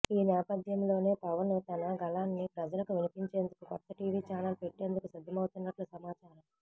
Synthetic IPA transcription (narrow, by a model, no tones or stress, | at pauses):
iːnɛːpɐd̪ʱjɐmlo̞ːne̞ːpɐʋɐnut̪ɐnɐɡɐlaːnːipɾɐd͡ʒɐlɐkuʋinipiɲt͡ʃe̞ːnd̪ukukɔt̪ːɐʈiːʋiːt͡ʃaːnɐlpe̞ʈːe̞ːnd̪ukusid̪ʱːɐmɐwt̪unːɐʈlusɐmaːt͡ʃaːɾɐm